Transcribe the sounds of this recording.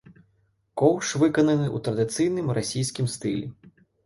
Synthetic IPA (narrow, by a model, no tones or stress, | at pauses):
kɔwʂʋɪkɔnɐnɪṵt̪ɾɐd̪ɪt̪sɨjnɪmrɔsʲijsʲkʲimst̪ɪlʲḭ